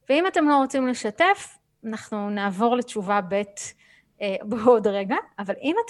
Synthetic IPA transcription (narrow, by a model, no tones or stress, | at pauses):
veimatemlo̞ʁo̞t͡simle̞ʃate̞f | anaχnunaːvo̞ʁle̞t͡ʃuvabe̞t | ebeo̞dʁe̞ɡaːvalʔimat